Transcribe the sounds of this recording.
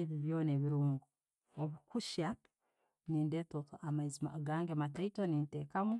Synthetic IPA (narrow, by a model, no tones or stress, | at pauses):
eβiβjoːneβiɾuːŋɡu | oβukuʃa | niːndeːtotoʔamaizima̰ɡaːŋɡemataikoniːnteːkamu